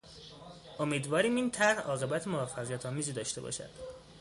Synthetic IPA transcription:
ʔo̞miːd̪vɒːɾiːmiːnt̪ʰæɾhɒːɣe̞bæt̪ʰemovæfːæɣijæt̪ʰɒːmiːziːd̪ɒːʃt̪e̞bɒ̰ːʃæ̰d̪̥

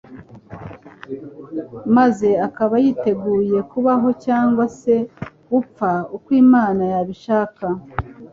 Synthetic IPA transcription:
maze̞akaβajiːte̞ɡuːje̞kuβaɦo̞caːŋɡwase̞ | up͡faukwiːmaːnajaβiʃaːka

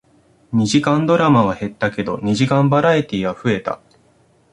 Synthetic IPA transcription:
ɲ̟iʑikãnd̪o̞ɾamaβ̞ahe̞t̪ːake̞d̪o̞ɲ̟iʑikãmbaɾait̪ʲiːɡaɸɯ̟e̞t̪a̰

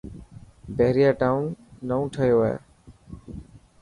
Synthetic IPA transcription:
beɦɾijaːʈaːʊnːəũːʈʰəjoːɛ̰ː

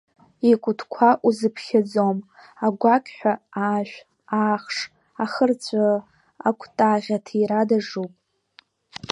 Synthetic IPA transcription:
ikʷʼʊtʰkʷʰaʔuzɨpʰχʲad͡zom | aɡʷakʲʼħʷᶣaaːʃʷᶣ | aːχʂ | aχərt͡sʷʼa | akʷʰtʼaʁʲatʰiɾadaʐupʼ

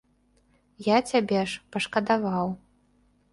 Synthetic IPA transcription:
jat͡sʲabʲɛʂpɐʂkɐd̪avaw

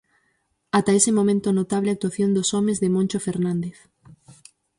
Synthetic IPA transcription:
at̪aesɪmõmẽnt̪onot̪aβleak̚t̪waθjond̪osomezðemõnʲt͡ʃofeɾnãnd̪eθ

